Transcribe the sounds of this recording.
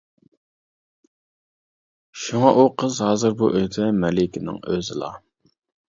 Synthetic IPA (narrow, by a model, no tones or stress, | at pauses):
ʃuŋɑʔuqʰəzɦɑːzɨɾbṵʔøjt̪ʰɛmɛlɪkʲʰɪnɪ̰ŋøzɪ̰lˠɑ̰